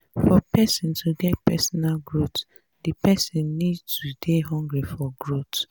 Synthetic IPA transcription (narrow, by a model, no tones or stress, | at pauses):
fɔpɛsĩntʰuɡɛt̚pɛsɔnalɡɹot | dipɛsĩnːidtudeɦɔ̃ŋɡɹifɔɡɹot